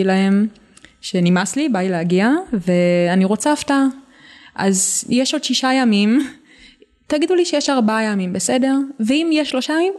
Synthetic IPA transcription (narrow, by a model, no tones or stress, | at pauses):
ilahe̞m | ʃe̞nimaslibajleaɡiave̞aniʁo̞t͡safta | ʔa̰zjeʃo̞d̥ʃiʃajamim | taɡiduliʃejeʃaʁbajamimbe̞se̞de̞ʁveimjeʃːlo̞ʃajamim